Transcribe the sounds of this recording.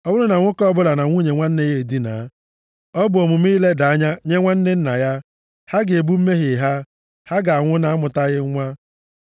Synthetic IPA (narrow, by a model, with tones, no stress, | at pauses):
ɔ˦bʊ˦lʊ˦na˨ŋʷʊ˦kɔ˦bʊ˦la˨na˨ŋʷu˦ɲe˨ŋʷa˦n̩˦ne˦ɣe˦˨di˦na̰˨˦ | ɔ˦bʊ˨o˨mʊ˨m˦i˦le˦da˨a˦ɲa˦ɲe˦ŋʷa˦n̩˦nɪ˦n̩˦na˨ja˦ | ha˦ɡe˨bu˦m̩˦me˦ɦɪ˨ɦa˦ | ha˦ɡa˨a˨ŋʷʊ˦na˦a˦mʊ˨ta˦ɣɪ˦ŋʷa˦